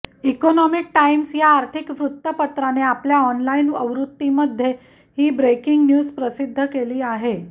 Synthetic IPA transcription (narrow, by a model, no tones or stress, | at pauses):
ikɔnɔmik̚ʈaimsjaːɾt̪ʰikʋɾut̪ːəpət̪ɾaneapljaɔnlainəʋɾut̪ːiməd̪ʱːje | hiːbɾekiŋɡnjuːzpɾəsid̪ʱːəkeliːaɦe